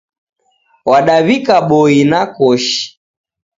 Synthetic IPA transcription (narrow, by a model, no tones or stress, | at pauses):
waɗaβikaɓɔinakɔʃi̥